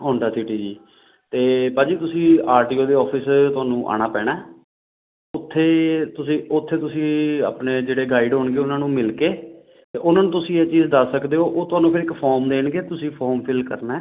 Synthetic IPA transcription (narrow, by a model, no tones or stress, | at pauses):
ɦõːɳɖaːsiːʈiːd͡ʒiː | t̪eːpãːd͡ʒiːt̪ʊsĩːaːɾʈiːoːd̪eːɔːpʰɪst̪ʊaːnũːʔa̰ːɽ̃aːpɛːɽɛː | ʊt̪ʰːeːt̪ʊsĩːʊt̪ʰːeːt̪ʊsĩːa̰ːpɳeːd͡ʒeːɽeːɡaːɪɖɦoːɳɡeːʊnãːnũːmɪlkeː | t̪eːʔʊnãːnũːt̪ʊsĩːɛːt͡ʃiːzd̪əsːəkd̪eːɦoːʔoːt̪ʊaːnũːpʰɪɾɪkpʰɔːɾmd̪eːɳɡeːt̪ʊsĩːpʰɔːɾmpʰɪlkə̰ɾnɛː